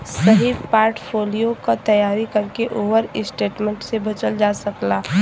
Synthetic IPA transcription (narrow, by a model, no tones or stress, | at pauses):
sɐɦipaːɾʈpʰoːlijokat̪ɐjaːɾikɐɾkeʔoːbəɾɪsʈeːʈmẽɳʈsebɐt͡ʃəld͡ʒaːsɐklaː